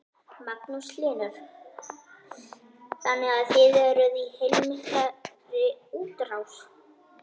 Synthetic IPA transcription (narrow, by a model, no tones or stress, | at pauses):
maknuslɪːnʏɾ̥ | θanːɛɣaðθɪðɛɾʏðihejlmɪhka | ɾɪuːt̪ɾaws